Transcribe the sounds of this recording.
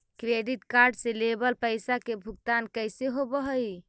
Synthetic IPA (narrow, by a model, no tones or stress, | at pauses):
kɾeɖiʈkaɾɖselebəlpəɪsakebʱuɡ̚t̪ankəjseɦobəɦəj